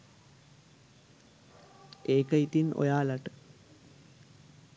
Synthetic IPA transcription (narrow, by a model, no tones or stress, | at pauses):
eːkəit̪inʔo̰jaːlaʈə̥